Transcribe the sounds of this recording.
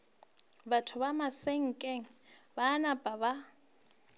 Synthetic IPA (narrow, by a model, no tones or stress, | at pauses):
batʰʊβamaseŋ̩kʼeŋ̩baːnabʼaba